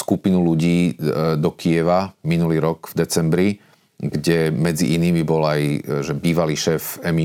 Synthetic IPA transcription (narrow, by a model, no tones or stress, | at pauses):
skupinuluɟiːd̪ɔkʰiɛʋaminuliːɾɔɡvd̪ɛt͡sɛmbɾi | ɡɟɛmɛd͡ziʔiniːmibɔlajʒɛbiːʋaliːʃɛːfɛmi